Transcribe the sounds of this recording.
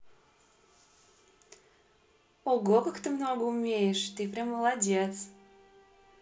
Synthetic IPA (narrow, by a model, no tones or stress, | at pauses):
oɡokəkt̪ɨmnoɡəumʲejeʃt̪ɨpɾʲeməlˠadʲet̪t͡s